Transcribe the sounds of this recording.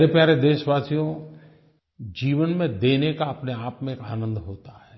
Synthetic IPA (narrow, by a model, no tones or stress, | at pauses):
ɾepjaːɾed̪eːʃʋaːsijõ | d͡ʒiːʋənmẽd̪eːnekaɐpneaːpmẽeːka̰ːnə̃nd̪ʱɦoːt̪aɦɛː